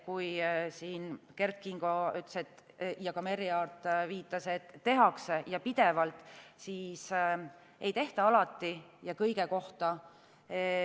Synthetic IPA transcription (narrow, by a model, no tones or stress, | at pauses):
kujsiːnke̞rt̪kiŋɡ̥o̞yt̪lset̪ː | jɑkɑme̞ɾiɑrt̪ːˑviːt̪ˑːɑse̞t̪ːe̞ɦɑksejɑpid̪̥e̞vɑlt̪ːˑsiːs | e̞jt̪e̞ht̪ɑɑlɑt̪ːijɑkɤjɡe̞ko̞ht̪ɑ